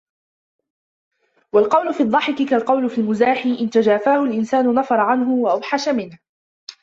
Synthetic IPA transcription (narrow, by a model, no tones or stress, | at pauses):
walqɑwlʊfiːd̪ˤːɑħɪkɪkalqɑwlʊfilmʊzaːħiːʔɪnt̪ad͡ʒaːfaːhʊlʔɪnsaːnʊnɑfɑɾˤɑʕanɦʊwaʔawħaʃamɪnh